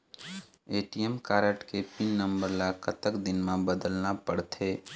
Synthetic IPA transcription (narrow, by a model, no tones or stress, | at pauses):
eːʈijemkaːɾəʈkepinːə̃mbəɾlakət̪əkd̪ɪnmẽbəd̪əlnapəɽt̪ʰeː